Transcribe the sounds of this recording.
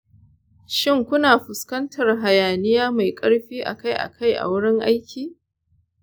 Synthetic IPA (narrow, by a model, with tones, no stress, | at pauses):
ʃɪ˦˨ŋkʷʊ˦naː˨ɸʊ˨skɐ˦ntʰɐ˨rɦa˨jaː˨nɪ˦jaː˦ma˨jkʼɐ˦ɽɸiː˦ʔa̰˨ka˦jʔa̰˨kʰa˦˨jʔa̰˨wʊ˦ɽɪ˦ŋʔa˦jkʲʰiː˨